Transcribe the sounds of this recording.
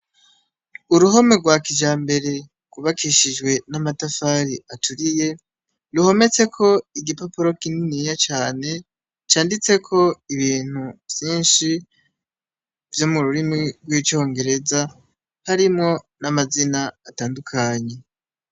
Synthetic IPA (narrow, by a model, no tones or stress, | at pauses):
uɾuɦo̞me̞ɡwaːkiʒaːmbe̞ɾe̞ | kuβakʰiʃiʒɡwe̞namatafaɾiʔatuɾije̞ | luho̞me̞t͡se̞kʰo̞iɡipopuɾo̞kininijat͡ʃaːne̞ | t͡ʃaːndit͡se̞kʰo̞iβiːn̥huvjiːnʃi | vjomuɾuɾimŋiɡwit͡ʃo̞ːŋɡe̞ɾe̞za | haɾimŋo̞ | namazinaːtaːndukʰaɲe̞